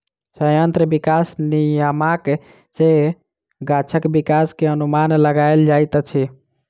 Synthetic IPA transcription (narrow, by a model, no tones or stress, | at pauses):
səjənt̪ɾəbikasnijəmak | d͡ʒe | ɡat͡ʃʰəkbikaskeənumanləɡajld͡ʒajt̪t͡ʃʰi